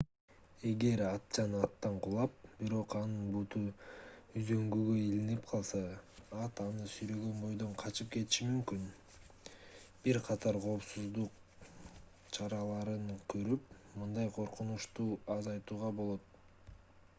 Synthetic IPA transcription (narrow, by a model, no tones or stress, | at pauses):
e̞ɡe̞ɾɑt̪̚t͡ʃɑnɑt̪ːɑɴqʰulˠɑp̚b̥iɾo̞qɑnɯnbut̪u | yzø̞ŋɡyɡøilinipqʰɑlˠsɑɑt̪ɑnɯsyjɾø̞ɡø̞nbo̞jd̪o̞ɴqʰɑt͡ʃɯp̚ke̞t̪i̥ʃimymkyn | b̥iɾqʰɑt̪ɑɾqʰo̞ːpsuzd̪uq | t͡ʃʰɑɾɑlˠɑɾɯɴkʰøɾyp̚mɯnd̪ɑjqʰo̞ɾqunuʃt̪uːɑzɑjt̪uːʁɑbolˠo̞t̪̚